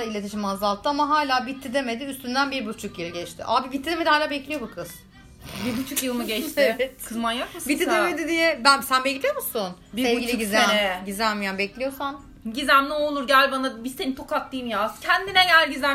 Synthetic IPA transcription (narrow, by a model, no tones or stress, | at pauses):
ailʲeiʃimazalˠt̪ʰːɯamaɦaːlʲaːbit̪ʰːid̪e̞me̞d̪iyst̪ynd̪ænbiɾbut͡ʃʰukjɯlˠɟɛt͡ʃt̪ʰɪ̰ʔa̰mabibit̪ʰːid̪eme̞d̪ihaːlʲaːbɛclʲijo̞bukʰɯz̥ | biɾbut͡ʃʰukjɯlˠmɯɟɛt͡ʃt̪ʰkʰɯzmanjakmasbit̪ʰːid̪eme̞d̪id̪ijɛbænsænbɛclʲijomusʊn | biɛvɡilʲiiɟizɛɟizælʲmijanbɛclʲijo̞san | ɟizæmnɛolˠuɾɟælʲbanabizt̪enit̪ʰokak̪̚d̪ijimjaːscʰænd̪inɛjælʲɟizæ